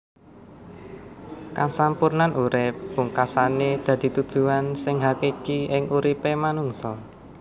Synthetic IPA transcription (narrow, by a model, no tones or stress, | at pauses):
kasampurnanʔuɾɪp̚b̥ṳŋkasaned̪̥ä̤d̪̥i̤t̪ud̥ʒ̥ṳansɪŋɦakekiɪŋuɾipemanuŋsɔ